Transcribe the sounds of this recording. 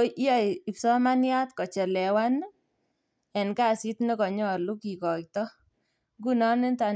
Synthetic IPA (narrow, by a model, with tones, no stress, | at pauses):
ʔa˨ɪ˨ksɔ˦ma˦nja˦t̪kɔ˨t͡ʃɛ˨lɛ˨wa˦n | ɛ˨nka˦˨si˦t̪ne˦kɔ˨ɲɔ˨lu˦ki˨kɔ˨k̚t̪ɔ˦ | ɡu˦nɔ˦nɪ˦nta˨